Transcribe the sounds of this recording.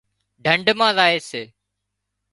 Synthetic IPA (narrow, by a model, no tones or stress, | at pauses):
ɖʱəɳɖmãːzaːeːseː